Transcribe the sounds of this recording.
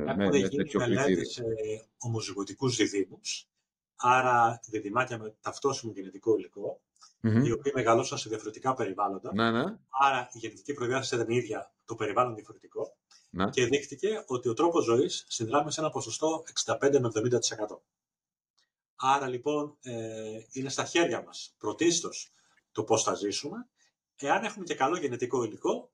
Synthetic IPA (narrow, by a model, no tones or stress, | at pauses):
eumeʝinimelet̪eseomoziɣot̪ikuzðiðimus | ɐɾɐiðiðimɐciɐme̞t̪ɐft̪o̞simoʝenet̪iko̞iliko̞ | io̞piɐme̞ɣɐlosɐseðiɐfo̞ɾet̪ikɐpe̞ɾivɐlo̞nd̪ɐnnɐɾɐiʝenet̪icipɾoiðɐset̪ɐniðʝɐt̪o̞pe̞ɾivɐlonðiɐfo̞ɾe̞t̪iko̞ | nce̞ðixt̪ice̞o̞t̪io̞t̪ɾo̞po̞zo̞isːinðɾɐmise̞nɐpo̞so̞st̪o̞e̞ksind̪ɐpe̞nd̪e̞mevðo̞mind̪ɐt̪i̥se̞kɐt̪o̞ | ɐɾɐlipo̞neine̞st̪ɐçe̞ɾʝɐmɐspɾo̞t̪isi̥t̪o̞s | t̪o̞po̞sθɐzisume̞ | e̞ɐne̞xume̞ce̞kɐlo̞ʝe̞net̪iko̞iliko̞